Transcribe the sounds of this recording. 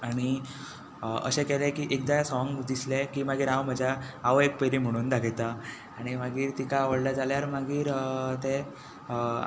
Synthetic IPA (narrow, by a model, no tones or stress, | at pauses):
aɽ̃i | ə̰ɕekɛlẽkiːʔek̚d̪ajasɔŋɡd̪islekiːmaɡiːɾãwm̤əd͡ʑʱaaʋəek̚peɾim̤əɽ̃uːnd̪aɡʱet̪a | aɽ̃imaɡiːɾt̪ikaːʋəɽlad͡zaljaɾmaɡiːɾt̪e